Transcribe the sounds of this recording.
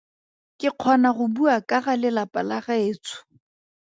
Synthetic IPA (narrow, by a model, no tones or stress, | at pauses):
kʼɪq͡χʰɔnaχʊbuakʼaɣalɪlapʼalaχaeːt͡sʰʊ̥